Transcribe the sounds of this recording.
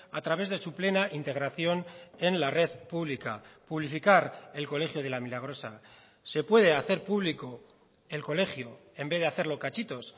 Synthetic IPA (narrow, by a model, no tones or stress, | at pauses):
at̪ɾaβe̞zðe̞suple̞naʔint̪e̞ɣ̞ɾaθjo̞ne̞nlare̞ðpuβlikapuβlifikaɾe̞lko̞le̞xjoð̞elamilaɣ̞ɾo̞sa | se̞pwe̞ð̞e̞aθe̞ɾpuβliko | e̞lko̞le̞xjo | e̞mbeðe̞aθe̞ɾlo̞kat͡ʃit̪o̞s